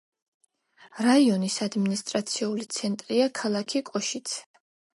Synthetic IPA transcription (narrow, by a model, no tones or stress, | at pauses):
ɾaiɔnisad̪minist̪ʼɾat̪sʰiulit̪sʰɛnt̪ʼɾiakʰalˠakʰikʼɔʃit̪sʰ